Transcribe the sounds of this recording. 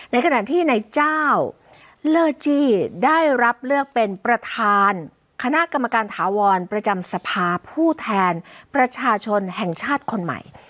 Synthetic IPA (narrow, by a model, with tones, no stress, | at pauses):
na˧jkʰa˧na˨˩ʔt̪ʰiː˥˩na˧jt͡ɕaː˥˩w | lɤː˧t͡ɕiː˧daː˥˩jɾa˦˥p̚lɯ˥˩ək̚pe˧npɾa˧t̪ʰaː˧n | kʰa˧na˦˥ʔka˧mːa˧kaː˧nt̪ʰaː˩˦wɔː˧npɾa˧t͡ɕa˧msa˧pʰaː˧pʰuː˥˩t̪ʰɛː˧npɾa˧t͡ɕʰaː˧t͡ɕʰo˧nhɛ˨˩ŋt͡ɕʰaː˥˩t̪̚kʰo˧nma̰˨˩j